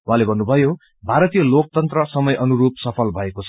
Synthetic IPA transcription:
w̃ãlebʱʌnːubʱʌjo | bʱaɾʌt̪ijʌlok̚t̪ʌnt̪rʌsʌmʌjʔʌnuɾupsʌpʰʌlbʱʌekot͡sʰʌ̥

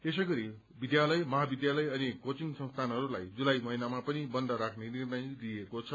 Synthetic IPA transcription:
es̬ʌɡʌɾi | bid̪jalʌjmʌɦabid̪jalʌjʌnikot͡siŋsʌ̃nst̪ʰanɦʌɾulajd͡zulajmʌɦinamapʌnibʌnd̪ʱʌɾakʰnenirnʌjd̪iekot͡sʰʌ

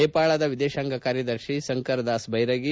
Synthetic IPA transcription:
eːpaːɭɐd̪ɐʋid̪eːʃaːŋɡʱɐkaːɾjɐd̪ɐɾʃisɐŋkɐɾd̪aːsbʱɐjɾɐɡi

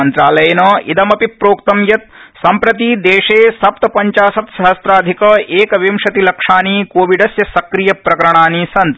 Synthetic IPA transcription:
ɐnt̪ɾaːlɐjɐnɐḭd̪ɐmɐpipɾoːkt̪ɐmjɐt̪sɐmpɾɐt̪id̪eːʂeːsɐp̚t̪ɐpɐɲt͡ʃaːsɐt̪sɐɦɐsɾaːd̪ʱikɐʔeːkɐʋimʂɐt̪ilɐkʂaːniːkoːʋiɖɐsjɐsɐkɾijɐpɾɐkɐɾɐɳ̃aːnisɐnt̪

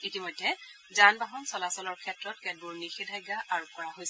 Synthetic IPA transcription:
itimɔjdʱːɛ | zanbaɦɔnsɔlasɔlɔɹkʰɛtɹɔtkɛbuɹnixidʱajɡaʔaɹukɔɹaɦojsɛ

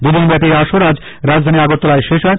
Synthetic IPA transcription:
d̪ud̪inbɛtiɾaʃoɾad͡ʑ | ɾad͡ʑd̪ʱaniaɡot̪ːolaeʃeʃaɾ

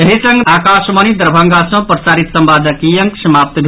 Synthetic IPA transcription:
eɦisəŋɡaːkaʃmənid̪əɾbʱaŋɡasə̃pɾəsaːɾit̪səmbad̪ʱəkijəŋksəmap̚t̪bʱ

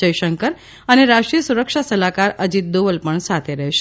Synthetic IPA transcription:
əjʃəŋkəɾ | əneɾaʃʈɾijəsuɾəkʃasəlakaɾəd͡ʒit̪̚d̪oʋəlpəɳsat̪ʰeɾəɦʃe

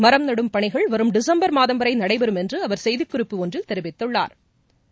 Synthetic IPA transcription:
mɐɾɐmnɐɽɯmpɐɳɪɣɐɭʋɐɾɯmɖɪsɐmbɐɾmaːðɐmbɐɾɐɪnɐɽɐɪʋɐɾɯmɛndrɯɐʋɐɾsɛjðɯkːʊɾɪpːɯɔndrɪlt̪ɛɾɪʋɪt̪ːɯɭːa̰ːɾ

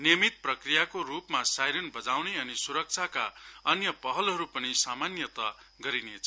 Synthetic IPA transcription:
nijʌmit̪̚prʌkrijakorupmasajɾʌnbʌd͡zawneʌnisuɾʌk̚t͡sʰakaʌnjʌpʌɦʌlɦʌɾupʌnisamanjʌt̪ʌ | ɡʌɾinet͡sʰʌ

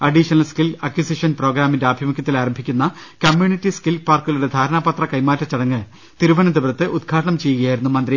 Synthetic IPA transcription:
ɐɖiʂɐnɐlskilɐkjisiʂɐnpro̞ːɡɾaːmindeaːbʱimɐkʲːɐt̪ːilaːɾɐmbʱikʲːunːɐkɐmjuːnitːiskilpaːrkuɣɐluɽe̞d̪ʱaːɾɐɳaːpɐt̪rɐkɐjmaːtːɐt͡ɕɐɽɐŋːɨ | t̪iɾuʋɐnɐd̪ebɾɐt̪ːɨʔud̪ɡʰʱaːʈɐɳɐmt͡ɕe̞jːuɣɐjaːjiɾunːumɐnd̪ɾi

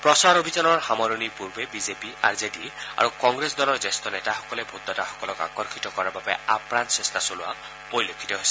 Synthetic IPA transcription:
pɹɔsaɹobʱizanɔɹxamɔɹonipuɹbebizepia̰ɹzedia̰ɹukɔŋɡɹesdɔlɔɹzestɔnɛtaxɔ̥kɔlebʱud̪ːɔtaxɔ̥kɔlɔka̰kɔɹxitɔkɔɹaɹbabɛ̰apɹansɛstʰasolʊa̰ | poɹilokʰːi̥tɔɦojsɛ̥

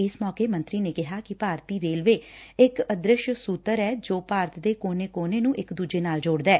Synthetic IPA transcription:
ɪsmɔːkeːmə̃nt̪ɾiːneːkɪɦaːkɪpaːɾt̪iːɾeːlʋeːɪkəd̪ɾɪʃsuːt̪əɾɛːd͡ʒoːpaːɾt̪d̪eːkoːneːkoːneːnũːʔɪkd̪uːd͡ʒeːnaːld͡ʒoːɽd̪ɛː

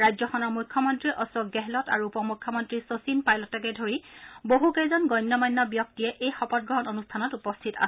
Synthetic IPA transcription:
ɹajzɔxɔnɔɹmujkʰːɔmɔntɹiʔɔsɔɡɡɛɦɛlɔta̰ɹuupɔmukʰːɔmɔntɹisosinpajlɔtɛkɛdʱoɹiboɦukezɔnɡɔjnːjɔmɔjnːɔbijɔk̚tijɛʔejxɔpɔt̚ɡɹɔɦɔnonustʰanɔtupɔstʰita̰

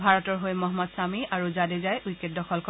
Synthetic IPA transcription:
bʱaɹɔtɔɹɦojmɔɦmɔdsamiʔaɹuzadezajʔujket̚dɔxʰɔlkʰɔ

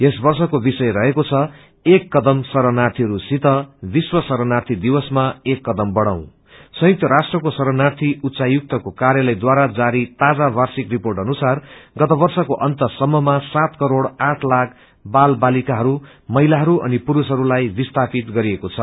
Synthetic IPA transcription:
esbʌrsʌkobisʌjɾʌɦekot͡sʰʌ | ekːʌd̪ʌmsʌɾʌnart̪ʰiɦʌɾusit̪ʌbiswʌsʌɾʌnart̪ʰid̪iwʌsmaekːʌd̪ʌmbʌɽaw̃ | sʌ̃juk̚t̪ʌɾasʈrʌkosʌɾʌnart̪ʰiut̪ːsajuk̚t̪ʌkokaɾjʌlʌjd̪waɾad͡zaɾit̪ad͡zabarsikriporʈʌnusarɡʌt̪ʌbʌrsʌkoʔʌnt̪ʌsʌmːʌmasat̪kʌɾoɽaʈʰlakʰ | balbalikaɦʌɾu | mʌɦijlaɦʌɾuʌ̰nipuɾusɦʌɾulajbist̪ʰapit̪ɡʌɾiekot͡sʰʌ

